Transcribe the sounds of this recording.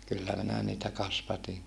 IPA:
kylːæ minæ niːtæ kɑsʋɑtiŋ

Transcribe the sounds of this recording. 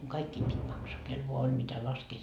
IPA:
kɑikːiːm pitʲ mɑksɑː kel ʋoɑ olʲ mitæ lɑskeː

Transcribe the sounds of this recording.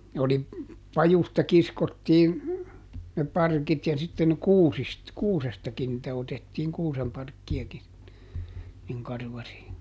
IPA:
ne oli pɑjustɑ kiskotːiːn ne pɑrkit jɑ sitːen kuːsist kuːsestɑkin nĭtæ otetːiːŋ kuːsempɑrkːiɑki niŋ kɑrʋɑri

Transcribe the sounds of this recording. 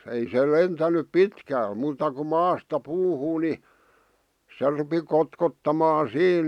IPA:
ei se lentænyp pitkæl muːtɑ ku mɑːstɑ puːhuː ni se rupi kotkotːɑmɑː siːn

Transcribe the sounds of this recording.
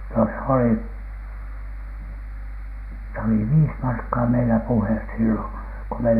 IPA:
no s oli s oli ʋiːs mɑrkːɑː meilæ puhes silːo ko me

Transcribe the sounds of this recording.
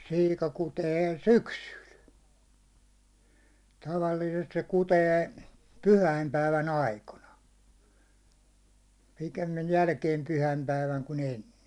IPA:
siːkɑ kuteː syksyl tɑʋɑlːiːsest se kuteː pyhæimpæiʋæn ɑikonɑ pikemːij jælkeːm pyhæimpæiʋæŋ kun enːe

